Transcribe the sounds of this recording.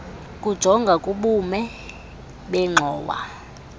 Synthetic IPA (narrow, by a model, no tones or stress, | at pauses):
kʼud̥ʒ̥ʱɔŋɡʱakʼuɓumɛ | ɓɛŋ͡ǁʱɔːwa̰